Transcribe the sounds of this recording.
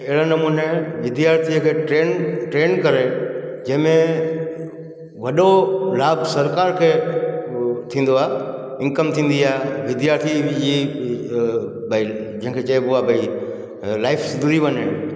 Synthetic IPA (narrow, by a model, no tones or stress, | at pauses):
ɪɦɪɭanɐmuːneʋɪd̪jaːɾt̪ʰiəkʰeːʈɾeːnʈɾeːnkɐɾed͡ʑɐ̃ɦɪ̃mẽ | ʋɐɗolaːbsɐɾkaːɾkʰeː | t̪ʰĩːn̆d̪oaːe | ɪ̃ŋkəmt̪ʰĩːn̆d̪iaːeʋɪd̪jaːɾt̪ʰid͡ʑi | bʱəi | d͡ʑɐ̃ɦɪ̃kʰet͡ɕɐebʊabʱɐi | laːɪfsɪd̪ud̪iʋɐɲe